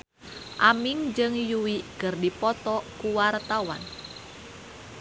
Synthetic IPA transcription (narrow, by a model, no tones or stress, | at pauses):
ʔamiŋd͡ʒɨŋjuwikɨrdipɔt̪ɔkuwart̪awa̰n